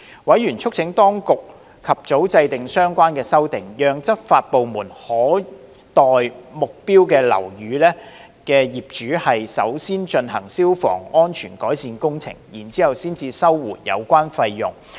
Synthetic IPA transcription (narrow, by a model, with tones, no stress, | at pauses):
wɐ˨˥jɥyː˨˩nt͡ʃʰʊ˥k̚t͡sʰɪ˨˥ŋt̪ɔː˥ŋkʊ˨k̚ | kʰɐ˨p̚t͡so˨˥wt͡sɐ˧jt̪ɪ˨ŋsœː˥ŋkʷaː˥nkɛː˧sɐ˥wt̪ɪ˨ŋjœː˨˧ŋt͡sɐ˥t̚faː˧t̚po˨˧wmuː˨˩nhɔː˨˥ | t̪ɔː˨jmʊ˨k̚piː˥wkɛː˧lɐ̰˨˩wjyː˨˧lɛː˥ | kɛː˧jiː˨p̚t͡ʃyː˨˥hɐ˨jsɐ̰˨˥wsiː˥nt͡ʃɵ˧nhɐ̰˨˩ŋsiː˥wfɔ̰ː˨˩ŋɔː˥nt͡ʃʰyː˨˩nkɔː˨˥jsiː˨˧nkʊ˥ŋt͡sʰɪ̰˨˩ŋjiː˨˩nt͡siː˨˥hɐ˨wsiː˥nt͡siː˧sɐ˥wːuː˨t̚jɐ̰˨˧wkʷaː˥nfɐ˧jːʊ̰˨˩ŋ